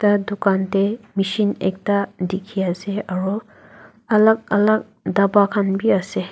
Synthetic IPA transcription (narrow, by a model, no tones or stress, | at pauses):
tadukantemisinḛk̚tadikʰijaseaɹɔ | ɐlak̚ɐ̰lak̚ | dabakʰanbiase